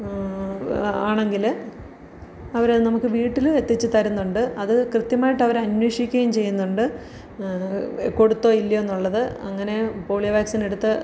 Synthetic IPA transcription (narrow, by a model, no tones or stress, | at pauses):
aːɳe̞ŋɡil | ɐʋɐɾnɐmukːɨʋiːʈːilet̪ːit͡ɕːɨt̪ɐɾɐnːuɳɖɨɐðɨkrɨt̪jɐmaːjiʈːɐʋɐɾɐnweʂjikʲːɐjumt͡ɕe̞jːunːuɳɖɨ | ko̞ɽut̪ːo̞ːilːɐenːuɭːɐðɨɐŋːɐne̞po̞ːɭijʋaːksine̞ɽut̪ːɨ